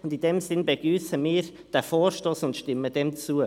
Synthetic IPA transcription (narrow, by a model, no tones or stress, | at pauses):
ʊndɪndɛmzɪnbeɡ̥ɾyːsəmiːɾ | d̥ɛfoːrʃtoːsʊntʃtɪməd̥ɛmt͡suə